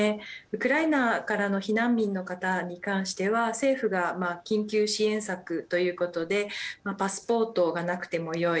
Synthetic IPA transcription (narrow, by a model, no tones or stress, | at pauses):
eɯ̟kɯ̟ɾainakaɾano̞çinãmʲbʲĩnːo̞kat̪aɲ̟ikãɰ̃ɕi̥t̪e̞βase̞ːɸɯ̟ɡamakʲĩŋkʲɨːɕiẽ̞ɰ̃sakɯ̟t̪o̞jɯ̟ːko̞t̪o̞d̪e̞mapasɨ̥po̞ːt̪o̞ɡanakɯ̟̥t̪e̞mo̞jo̞i